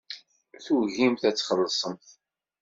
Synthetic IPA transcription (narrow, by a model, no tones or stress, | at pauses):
θuʝimθæt͡sːχəlːsˤəmθ